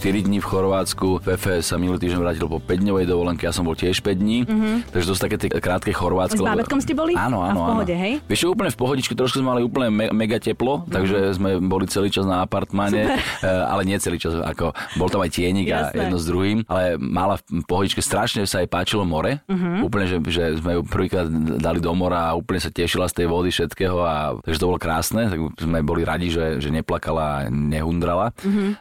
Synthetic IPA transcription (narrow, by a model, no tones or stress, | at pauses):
t̪iɾid̪ɲiːfxɔɾʋaːt͡skuvɛfɛsaminulit̪iːʒɟɛɲʋɾaːcilpɔpɛɟd̪ɲɔʋɛjd̪ɔʋɔlɛŋkɛjasɔmbɔlcɪɛʃpɛɟd̪ɲiːt̪aɡʒɛt̪ɔsu̥t̪akɛːt̪ɪɛkɾaːt̪̚kɛxɔɾʋaːtt͡skzkɔlɛaɛt̪kɔmstɛbɔliaːnɔanɔaɦɔɛɦɛjʋɛʃʃaɡuːp̬l̩ɲɛfpɔɦɔɟit͡ʃkɛt̪ɾɔʃkuzmɛmaliuːpl̩ɲɛɛmɛɡacɛplɔt̪aɡʒɛzmɛbɔlit͡sɛliːt͡ʃaznaːpaɾt̪maɲɛa̰lɛɲɪɛɛt͡sɛliːt͡ʃaza̰kɔbɔlt̪amajcɪɛɲiɡa̰jʔɛd̪nɔzd̪ɾuɦiːmʔalɛmalafpɔɦɔɟit͡ʃkɛst̪ɾaʃɲɛsaːjpaːt͡ʃilɔmɔɾɛuːp̬l̩ɲɛʒɛʒɛzmɛjupr̩ʋiːkɾaːd̪d̪alid̪ɔmɔɾaːuːplɲɛsacɛʃilast̪ɛjʋɔd̪ifʃɛt̪kɛːɦɔat̪aɡʒɛt̪ɔbɔlɔkɾaːsnɛt̪aɡzmɛbɔliɾaɟiʒɛʒɛɲɛplakalaa̰ɲɛɦund̪ɾalaɦ